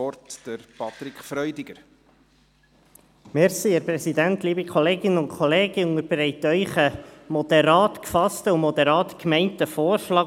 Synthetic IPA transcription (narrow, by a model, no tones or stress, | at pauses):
ɔɾtd̥əɾpʰɑt̪ɾikχfɾœʏdɪɡ̥əɾ | mɛɾsiəɾpɾɛsidæntliːbəkχɔleːɡɪnənʊntkʰχɔleːɡ̥əʊŋəɾbɾɛɪtœʏχəmɔd̥̪ɛɾɑːtkfɑstəumɔd̪ɛɾɑːtkmɛɪntəfɔːrʃlɑː